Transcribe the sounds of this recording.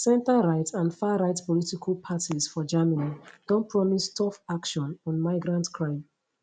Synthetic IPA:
sɛ̃ntaɹaɪtãnfaɹaɪtpɔlitikʰalpʰatʰizfɔd͡ʒamanid̥ɔ̃npʰɹɔmistʰɔfakʃɔ̃nɔ̃nmaɪɡɹãntkʰɹãɪ̃m

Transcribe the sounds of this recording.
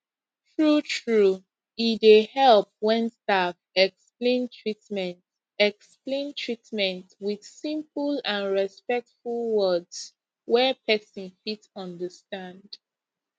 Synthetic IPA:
tʰɹutʰɹu | idehɛlˠp̚wɛ̃nstafɛksplẽntʰɹitmɛ̃nt | ɛksplẽntʰɹitmɛ̃ntwið̥sĩmpəlãnɹɛspɛk̚tfulˠwɜdz̥ | wɛpʰɛsə̃nfitɔ̃ndəstãnd

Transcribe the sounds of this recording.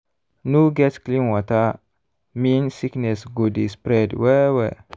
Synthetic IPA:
nuɡɛtsklĩnwata | minsiknɛsɡudispɾɛdwɛwɛ

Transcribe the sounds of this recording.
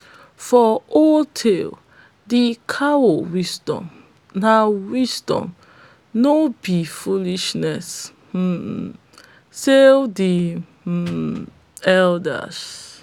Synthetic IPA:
fɔɔltʰel | dikʰawowisdɔ̰̃m | nawisdɔ̰̃m | nobifuliʃnɛs̩ | sedi | ɛldə̰s

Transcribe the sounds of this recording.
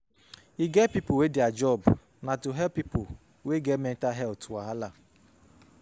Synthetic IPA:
iɡɛpipowedɪad͡ʒɔb | natuɦɛpːipo | weɡemɛntaɦɛltwaɦala

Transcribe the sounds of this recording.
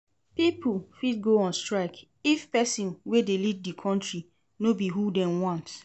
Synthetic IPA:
pipulfit̚ɡoɔ̃nstɹaɪk | ifpɛsĩnwedeliddikʰɔ̃ntɹi | nobiɦudɛ̃mwɔ̃nt

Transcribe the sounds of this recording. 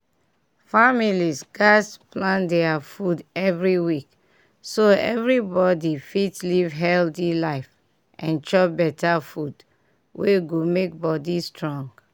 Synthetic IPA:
familisɡasplãndɛafudɛvɹiwik | soɛ̰vɹibɔdifitlivɦɛltilaɪf | ʔʔɛ̃nt͡ʃɔbɛtafud | weɡomek̚bɔdistɹɔ̃ŋɡ

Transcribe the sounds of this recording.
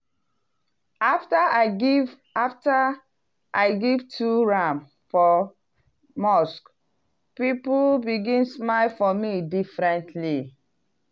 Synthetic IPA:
aftaaɪɡiv | afta | ʔaɪɡivtʰuɹãm | fɔ | mɔsk | pipulbiɡĩnsmaɪlfɔmidifɹɛ̃ntʰli

